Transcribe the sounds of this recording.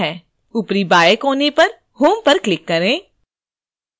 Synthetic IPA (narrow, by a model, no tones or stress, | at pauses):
ɦɛː | ʊpɾibaːjəkɦoːnepɐɾ | ɦuːmpɐɾklɪkːɐɾẽː